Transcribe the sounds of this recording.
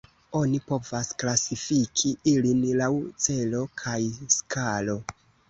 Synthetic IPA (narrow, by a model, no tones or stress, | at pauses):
o̞nipo̞vasklasifikʰiilinlawt͡se̞lo̞kʰajskʰalo̞